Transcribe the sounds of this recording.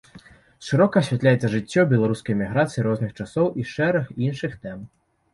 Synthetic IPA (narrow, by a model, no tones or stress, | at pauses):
ʂɨɾɔkɐɐɕʲvʲat̪lʲajɛt̪sɐʐɨt͡sʲːɔbʲɛlˠaɾuskɐjɛmʲiɣɾat̪sɨjiɾɔznɨxt͡ʂasɔwʔiʂɛɾɐxinʂɨxt̪ɛm